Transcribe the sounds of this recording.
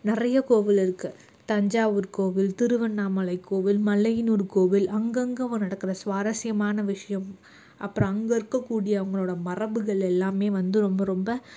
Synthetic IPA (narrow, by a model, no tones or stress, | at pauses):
nɪrɐjɐkoːʋɪlɪɾɯkːɯ | t̪ɐɲd͡ʒaːʋɯɾkoːʋɪlt̪ɪɾɯʋɐnːaːmɐlɐɪkːoːʋɪlmɐlːɐjɪnuːɾkoːʋɪlɐŋɡɐŋɡɐɐʋɐnɐɽɐkːɪrɐsʋaːɾɐsɪjɐmaːnɐʋɪʂɐjɐm | ʔɐpːɯɾɐ̃ɐŋɡɐɪɾɯkːɐkːuːɽɪjɐɐʋɐŋɡɐɭoːɽɐmɐrɐbɯɣɐɭɛlːaːmeːʋɐnd̪ɯɾɔmbɐɾɔmbɐ